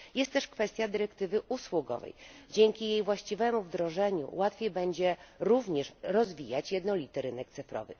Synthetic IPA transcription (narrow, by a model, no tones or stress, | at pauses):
jɛst̪t̪ːɛʂkfɛst̪ʲjad̪ɘɾɛkt̪ɘvɘʔuswuɡɔ̰vɛ̰jd͡ʑeŋkʲijejvwaɕt͡ɕivɛmuvd̪ɾɔʐɛɲṵwat̪fʲjejbɛɲd͡ʑɛɾuvɲɛʂɾɔzvʲijat͡ɕjɛd̪nɔlʲit̪ɘɾɘnɛkt̪sɘfɾɔ̰vɘ̰